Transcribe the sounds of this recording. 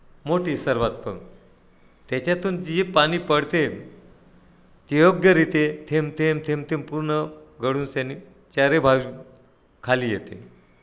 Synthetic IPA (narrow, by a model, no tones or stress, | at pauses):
moʈiːsəɾʋat̪̚pə̰ŋ | t̪jat͡ɕat̪uːnipañiːpəɽt̪e | t̪ijoɡjəɾit̪et̪ʰemt̪ʰemt̪ʰemt̪ʰempuɾɳəɡəɽuːnsjanːi | t͡ɕaɾebʱaʋi | kʰaliːjet̪ḛ